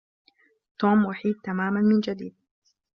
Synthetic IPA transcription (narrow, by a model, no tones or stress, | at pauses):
t̪oːmwʊħiːd̪̚t̪amaːmanmɪnd͡ʒad̪iːd̪̚